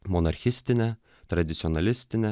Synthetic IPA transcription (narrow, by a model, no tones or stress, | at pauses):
mɔnɐɾʲxʲɪsʲt̪ʲɪnʲɛ | t̪ɾɐd̪ʲɪt̪sʲɪɔnɐlʲɪsʲt̪ʲɪnʲɛ